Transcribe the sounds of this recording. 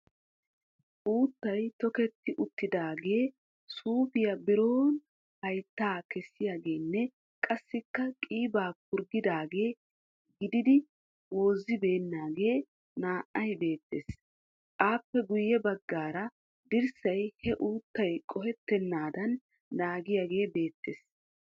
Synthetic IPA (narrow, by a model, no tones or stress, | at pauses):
ʔuːt̪ːɐjt̪ɔkɛt̪ːɪʔʊt̪ːɪd̪aːɡe̞ː | suːfɪjɐbɪɾo̞ːn | hɐjt̪ːaːkɛsːɪjaːɡe̞ːnːɛ | kʼɐsːɪkːɐkʼiːbaːk̚ʊɾɡɪd̪aːɡe̞ː | ɡɪd̪ɪd̪ɪ | wo̞ːzːɪbe̞ːnːaːɡe̞ː | naːʔɐjbe̞ːt̪ːeːs | ʔaːpːɛɡʊjːɛbɐɡːaːɾɐ | d̪ɪɾsɐjhɛʔuːt̪ːɐjkʼɔhɛt̪ːɛnːaːd̪ɐnː | aːɡɪjaːɡe̞ːbe̞ːt̪ːḛːs